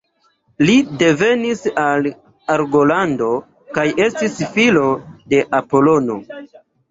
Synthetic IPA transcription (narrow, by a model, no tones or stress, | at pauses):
lide̞ve̞nisal | aɾɡo̞lando̞ | kaje̞stisfilo̞de̞ʔapo̞lo̞no̞